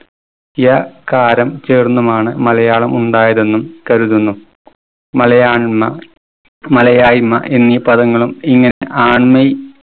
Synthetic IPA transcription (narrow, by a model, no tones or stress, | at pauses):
ijɐkaːɾɐmt͡ɕeːrnːumaːɳɨmɐlɐjaːɭɐmuɳɖaːjɐðe̞nːumkɐɾuðunːu | mɐlɐjaːɳmːɐ | mɐlɐjaːjmːɐ̰ʔenːipɐðɐŋːɐɭumiŋːɐne̞ʔaːɳmɐj